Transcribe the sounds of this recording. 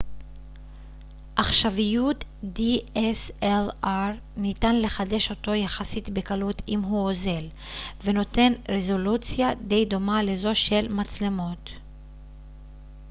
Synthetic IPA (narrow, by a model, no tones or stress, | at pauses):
ʔaχʃavijutdieselaʁ | nitanle̞χade̞ʃo̞to̞jaχasitbekalutʰimɦuoze̞l | veno̞te̞nʁezo̞lut͡sjad̪e̞jd̪o̞male̞zo̞ʃe̞lmat͡slemo̞t